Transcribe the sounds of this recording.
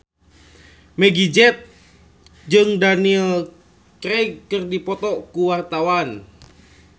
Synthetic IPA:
mɛɡid͡ʒɛt̪̚ | d͡ʒɨŋdanil | kɾɛkɨrdipɔt̪ɔkuwart̪awan

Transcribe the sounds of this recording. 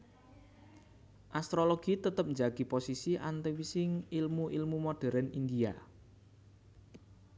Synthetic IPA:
ʔast̪ɾolɔɡ̥it̪ət̪əp̚ɲd͡ʒaɡ̥iposisiʔant̪ewisɪŋilmuʔilmumoɖ̥ɛ̤ɾənind̪ia̰

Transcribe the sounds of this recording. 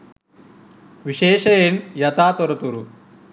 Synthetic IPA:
ʋiʃeːʃɐjenjɐt̪aːt̪ɔɾɐt̪uɾu

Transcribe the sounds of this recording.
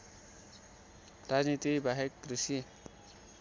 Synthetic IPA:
rad͡znit̪ibʱaɦekɡɾusi

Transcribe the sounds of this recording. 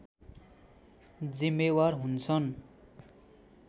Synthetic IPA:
d͡zimːewarɦunt͡sʰʌn

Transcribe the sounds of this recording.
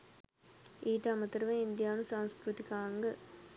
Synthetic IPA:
ʔiːʈaːmɐt̪ːɪɾɯʋɐ̃ɪnd̪ɪjaːnũsãːnskɾut̪ːɪkːaːŋɡɐ

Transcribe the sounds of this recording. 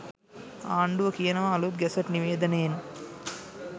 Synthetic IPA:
aːɳɖuʋɐkijɐnɐʋaːluɡɛsɐʈniʋeːd̪ɐneːn

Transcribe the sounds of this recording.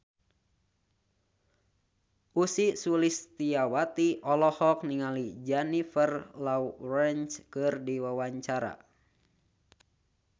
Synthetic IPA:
ʔusisulist̪iawat̪iʔɔlɔhɔk̚niŋalid͡ʒanifərlaurɛnt͡ʃkɨrdiwawaɲt͡ʃaɾa̰

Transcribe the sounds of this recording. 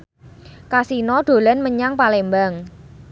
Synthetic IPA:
kasinɔɖ̥o̤lanməɲaŋpalembaŋ

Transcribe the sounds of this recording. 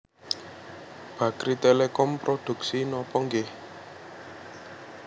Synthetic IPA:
b̥ä̤kɾit̪elekɔmpɾod̪̥ṳksinɔpɔŋɡe

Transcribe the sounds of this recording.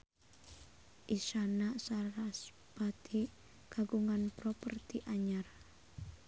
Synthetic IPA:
ʔisanaʔsaɾas | b̥at̪ʰi | kaɡuŋanpɾɔpərt̪iʔaɲar

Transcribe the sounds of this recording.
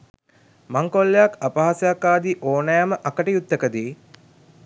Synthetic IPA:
maŋkolːejakapaɦasɐjakːaːd̪iʔoːnajaməʔakəʈəjut̪ːəkəd̪iː

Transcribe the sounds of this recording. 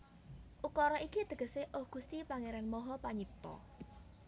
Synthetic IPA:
ʔukɔɾɔʔikid̪̥ə̤ɡə̤seʔʊhɡ̥ṳst̪ipaŋeɾanmɔɦɔpaɲip̚t̪ɔ̰

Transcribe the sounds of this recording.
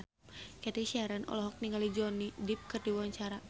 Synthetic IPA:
kɛt̪iʃiaɾanʔɔ̰lɔɦɔk̚niŋalid͡ʒɔnidip̚kərdiwuaɲt͡ʃaɾa

